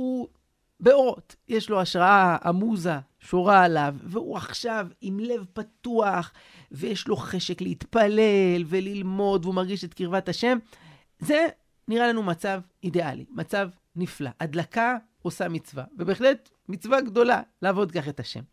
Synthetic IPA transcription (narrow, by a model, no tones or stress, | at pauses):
u | beoʁo̞t̪ | jeʃlo̞aʃʁaaa̰muza | ʃoʁaːlavːeuaχʃavimle̞vpat̪uaχ | vejeʃlo̞χe̞ʃe̞kleit̪pale̞lve̞lilmo̞d̪veumaʁɡiʃet̪kiʁvataʃe̞m | ze̞ | niʁalanumat͡sav | idea̰lḭmat͡sav | nifla̰ʔad̪laka | o̞samit͡sva̰vebeχlet | mit͡svaɡd̪o̞la̰laːvo̞d̪kaχet̪aʃe̞̰m